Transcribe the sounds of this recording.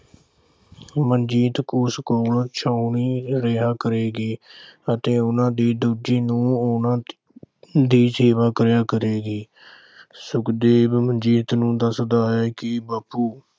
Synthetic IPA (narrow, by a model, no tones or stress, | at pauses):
mənd͡ʒiːt̪kʊskoːlt͡ʃʰaːʊniːɾəɦaːkəɾeːɡiːət̪eːʊnãːd̪iːd̪uːd͡ʒiːnũːʊnãː | d̪iːseːʋaːkəɾjaːkəɾeːɡiː | sʊkd̪eːbmənd͡ʒiːt̪nũːd̪əsd̪aːɦɛːkɪbaːpːuː